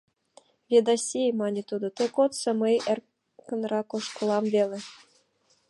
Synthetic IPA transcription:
vʲed̪ɑsʲijmɑnʲet̪ud̪ɤ̆t̪ɤ̆kot̪sɤ̆mɤjer | kɤ̆nrɑkoʂkŏlˠɑmvʲelʲĕ

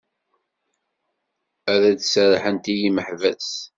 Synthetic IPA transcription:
æðæd̪səɾˤħənt̪ijiməħvæs

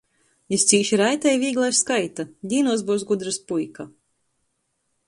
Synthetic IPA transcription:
ist̪siːʃiɾajt̪ɛjvʲiːɡlˠajsskajt̪ad̪ʲiːnuɔs̬buwsɡud̪ɾɨspujka

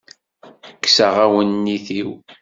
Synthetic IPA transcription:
kːsəʁawənːiθiw

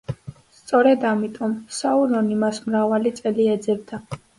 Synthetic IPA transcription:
st̪sʼɔɾɛd̪amit̪ʼɔmsaulɔnimasmɾavalit̪sʼɛliɛd̪zɛbd̪a

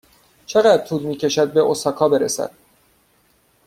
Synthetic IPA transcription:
t͡ʃʰe̞ɣæd̪̥̚t̪ʰuːlmiːcʰe̞ʃæd̪̚be̞ʔosɒːkʰɒːbe̞ɾesæ̰d̪̥

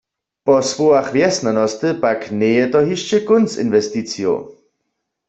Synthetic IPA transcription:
pɔsʋoaχʋjɛsnanɔst̪əpaknɛjɛt̪ɔɦiʃt͡ʃəkʊnst͡sḭnʋɛstit͡sjo̰

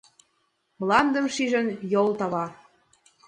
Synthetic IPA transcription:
mlɑnd̪ə̆mʃiʒə̆njolt̪ɑβɑ

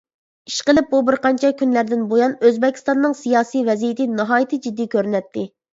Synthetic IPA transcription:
iʃqəlˠɪp̚bubɪɾqʰɑnt͡ʃʰɛkʲynlæɾd̪ɪnbojɑnøzbɛkʲʰːi̥st̪ɑnːɨŋsijɑːsijvɛzijɪt̪ʰɪnɨɦɑːjit̪ʰɨd͡ʒid̪ːijkʲøɾnɛt̪ʰːɪ

